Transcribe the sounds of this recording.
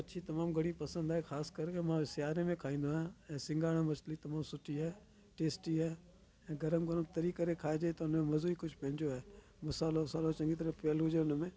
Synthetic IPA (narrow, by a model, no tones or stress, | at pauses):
ɐʃʰit̪ɐmaːmɡɐɽ̃ipɐsə̃nd̪aɦexaːskəɾkemãsɪjaːɾemẽkʰaːĩːnd̪oːãɛ̃ːsɪ̃ŋɡaːɽ̃ãmɐslit̪ɐmaːmsʊʈiɦaː | ʈeːsʈiɦaː | ɛ̃ːɡəɾəmɡəɾəmt̪ɐɾiːkəɾekʰaːed͡ʒaːet̪oʊnmẽmɐzuːikʊd͡ʒʱpɐɦɪ̃d͡ʒoae | mʊsaːlosaːlot͡ʃɐ̃ŋɡit̪̬əɾəfpejəlɦʊd͡ʒeʊnmẽː